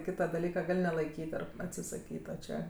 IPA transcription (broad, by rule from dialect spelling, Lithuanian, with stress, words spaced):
ˈkʲiːtɐ dɐˈlʲiːkɐ ˈɡɐlʲ nʲɛlˠɐɪˈkʲiːt ˈɐr ɐtʲsʲɪsɐˈkʲiːt oː ˈt͡ʃʲɛ